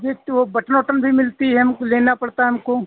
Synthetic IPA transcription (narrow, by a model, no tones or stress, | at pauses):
bʱit̪ʋobɐʈnoːʈənbʱimɪlt̪iɦɛɐmkoleːnapɐɽt̪aɦɛmko